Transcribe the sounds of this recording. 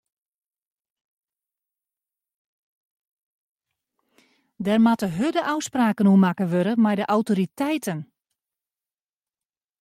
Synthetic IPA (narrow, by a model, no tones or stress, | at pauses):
dɛrmatəɦødəʔawspraːkənuəmakəʋøɾəmɛjdəʔawtoɾitɛjtʰən